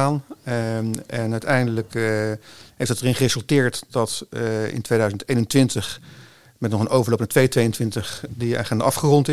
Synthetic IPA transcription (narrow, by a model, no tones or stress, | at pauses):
aːn | ɛnœɥtɛjndələk | ɦejftətərɪnχərezɵlˠtɪːɹtdɑtɪ̰ntʋejdœɥzənteːjnəntʋɪntəχ | mɛtnɔχənʔowvəɹlowpnatʋejətʋejəntʋɪntəχdia̰χɛnda̰ɑfχərɔntɪ